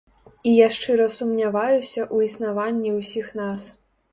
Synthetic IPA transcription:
ijaʂt͡ʂɨɾɐsumnʲavajusʲɐʔuisnavanʲːiwsʲixn̪as

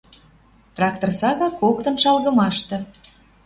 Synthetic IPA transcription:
t̪rɑkt̪orsɑɣɑkokt̪ə̆nʃɑlɣə̆mɑʃt̪ɤ̆

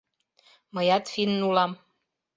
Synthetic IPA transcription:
məjɑt̪finːulɑm

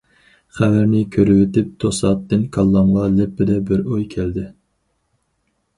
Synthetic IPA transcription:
χævæɾnɪkʲʰøɾywɪt̪ɪp̚t̪ʰosɑːt̪ːɪnkʰɑlˠːɑmʁɑlɪpːɪd̪ɛbɪɾojkʲʰɛld̪ɪ

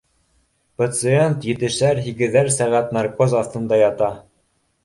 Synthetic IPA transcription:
pat̪sɨent̪jɘ̆t̪ɘ̆ʃæɾɦiɡɘ̆ðæɾsæʁæt̪nɑɾkozɑθt̪ɤ̆nd̪ɑjɑt̪ɑ

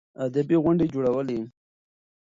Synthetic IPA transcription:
ad̪abiɣʊɳɖed͡ʒoɽawəle

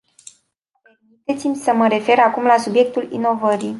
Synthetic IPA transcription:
pe̞rmit̪e̞t̪simʲsəməɾe̞fe̞ɾakumlasubje̞k̚t̪ulḭno̞vəɾij

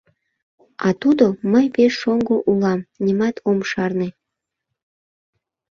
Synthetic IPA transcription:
ɑt̪ud̪oməjpeʃːoŋɡoʔulɑmnʲimɑt̪ʰomʃɑrne

